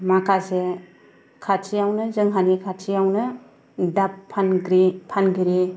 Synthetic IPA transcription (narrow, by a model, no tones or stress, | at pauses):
makʰase | kʰat͡ʃʰijawnɯzɯŋɦanikʰat͡ʃʰijawnɯ | dapʰːanɡɾipʰanɡiɾi